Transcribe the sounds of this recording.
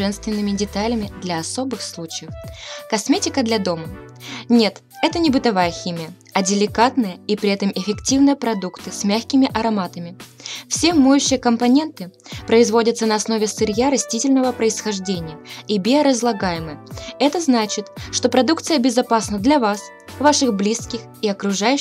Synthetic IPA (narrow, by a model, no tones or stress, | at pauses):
ɛnst̪vʲɪnːɨmʲɪdʲɪt̪alʲɪmʲɪd̪lʲɐɐso̞bɨxslˠut͡ɕɪjəfkɐsmʲetʲɪkəd̪lʲɐd̪o̞mənʲe̞t̪ | ɛt̪ənʲɪbɨt̪ɐvajəxʲimʲɪjə | ɐdʲɪlʲɪkat̪nɨjəipɾʲɪɛt̪əmɪfʲɪktʲivnɨjəpɾɐd̪ukt̪ɨsʲmʲaxʲkʲɪmʲɪʔɐɾɐmat̪əmʲɪfsʲemojʉɕːɪjəkəmpɐnʲe̞nt̪ɨpɾəɪzvo̞dʲət̪sənɐːsno̞vʲɪsɨɾʲjaɾɐsʲtʲitʲɪlʲnəvəpɾəɪsxɐʐdʲenʲɪjəibʲeɾəzlˠɐɡajɪməjəɛt̪əznat͡ɕɪt̪ʂt̪o̞pɾɐd̪uk̚t̪sɨjəbʲɪzɐpasnəd̪lʲɐvas | vaʂɨɣblʲiskʲɪx | iɐkɾʊʐaj